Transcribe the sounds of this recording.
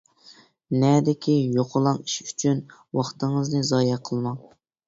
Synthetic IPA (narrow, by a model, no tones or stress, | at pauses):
nɛːd̪ɪkʲʰijoqʰʊlˠɑŋiʃyt͡ʃʰyn | wɑχt̪ɨŋəznɨzɑːjɛqʰəlˠmɑ